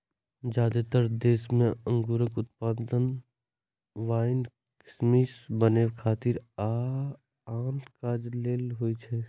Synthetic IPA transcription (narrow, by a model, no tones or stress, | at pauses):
d͡ʒaːd̪et̪əɾd̪eːsmẽə̃ŋɡuɾəkʊt̪̚paːd̪ən | ʋaːɪn | kɪ̥smisbənekʰaːt̪iɾa | aːnkaːd͡ʒleːlɦoit͡ʃʰɛ